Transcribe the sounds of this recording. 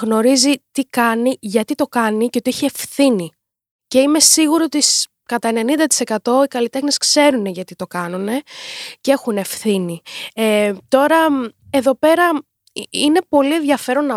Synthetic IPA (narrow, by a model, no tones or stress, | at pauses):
ɣno̞ɾizit̪ikɐniʝɐt̪it̪o̞kɐniceot̪iiçie̞fθini | ce̞ime̞siɣuɾoot̪is | kɐt̪ɐene̞nind̪ɐt̪ise̞kɐt̪o̞ikɐlit̪e̞xneskse̞ɾune̞ʝɐt̪it̪o̞kɐnune̞cee̞xune̞fθiniet̪o̞ɾɐ | e̞ðo̞pe̞ɾɐ | ine̞po̞lie̞nðʝɐfe̞ɾo̞nːɐ